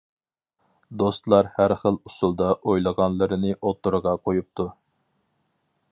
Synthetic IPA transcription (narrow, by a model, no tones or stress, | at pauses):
d̪ost̪lˠɑɾhæɾχəlˠusulˠd̪ɑʔojlˠəʁɑnlˠɨɾɨnɨʔot̪ːuɾʁɑqʰojup̚t̪ʰu